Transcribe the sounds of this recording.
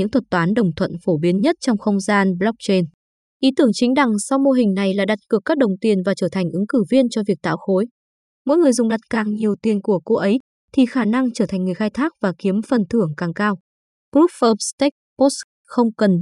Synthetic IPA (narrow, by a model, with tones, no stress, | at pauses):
ɨ̰˧˥ŋt̪ʰə˨˩t̚t̪waː˨˦nɗə˨˩wŋ͡mt̪ʰwə̰˧˨nfo˧˩ɓi˨˦ənɲə˦˥t̚t͡ɕɔ˧wŋ͡mxə˧wŋ͡mzaː˧nɓlɔ˦˥k̚t͡ɕe˧n | ʔi˨˦t̪ɨ˧˩əŋt͡ɕï˨˦ŋ̟ɗa˨˩ŋsa˧wmo˧ɦï˨˩ŋ̟na˨˩jlaː˨˩ɗa˨˩t̚kɨ˨˩əkːaː˦˥k̚ɗə˨˩wŋ͡mt̪i˨˩ənvaː˨˩t͡ɕəː˧˩t̪ʰa˨˩ŋ̟ʔɨ˨˦ŋkɨ˧˩vi˧ənt͡ɕɔ˧vi˨˩ək̚t̪a̰ː˧˨wxo˨˦j | mo̰˧˥jŋɨ˨˩əjzʊ˨˩ŋ͡mɗa˨˩t̚kaː˨˩ŋɲi˨˩əwt̪i˨˧˩ənku˧˩əko˧˦ʔə˨˦j | t̪ʰi˨˩xaː˧˩na˧ŋt͡ɕəː˧˩t̪ʰa˨˩ŋ̟ŋɨ˨˩əjxaː˧jt̪ʰaː˦˥k̚vaː˨˩ki˨˦əmfə˨˩nt̪ʰɨ˧˩əŋkaː˨˩ŋkaː˧w | kɾu˦˥p̚fəː˧p̚st̪ɛ˦˥k̚po˦˥s | xə˧wŋ͡mkə˨˩n